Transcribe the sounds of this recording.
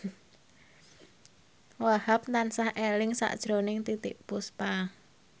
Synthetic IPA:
wahap̚nansahʔelɪŋsa̰ʔd̥ʒ̥ɾonɪŋt̪it̪ɪʔpuspa

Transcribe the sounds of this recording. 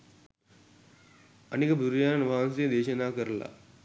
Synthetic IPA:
əneːkəbʱuɾjaːnʋaːnsed̪eːʃɐnaːkəɾla̰ː

